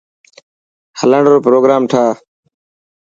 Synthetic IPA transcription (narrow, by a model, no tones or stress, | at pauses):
hələɳɖɾoːpɾoːɡɾaːmʈʰaː